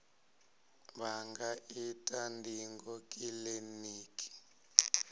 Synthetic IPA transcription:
ɓaŋɡaitʼandʱiŋɡɔkʼileniːkʼi̥

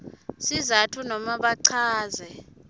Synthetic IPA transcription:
sizatʰunɔmaɓaǀʰaːzɛ

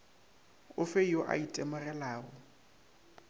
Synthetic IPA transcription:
ʊfeiɔʔa̰itʼemʊrɛlaːɣɔ

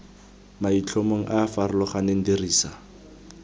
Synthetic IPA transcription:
mait͡ɬʰomoŋ̩ʔaːfarʊlɔχaneŋ̩diriːsa

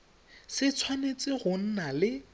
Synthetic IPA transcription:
sɪt͡sʰwanet͡sʼɪɣʊn̩nalɪ

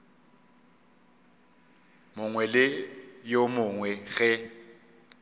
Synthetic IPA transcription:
mʊŋwɛlɪjomʊŋwɛɣɛ

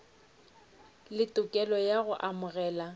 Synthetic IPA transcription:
lɪtʼʊkʼɛlɔjaɣʊʔamʊɣɛːla

